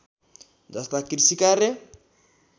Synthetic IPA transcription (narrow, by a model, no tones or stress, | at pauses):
nd͡zatakiɾisikaɾɛ